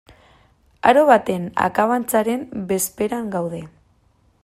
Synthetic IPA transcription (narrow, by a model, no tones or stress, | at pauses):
a̰ɾo̞βat̪e̞na̰kaβant͡saɾe̞mbe̞spe̞ɾaŋɡawðe̞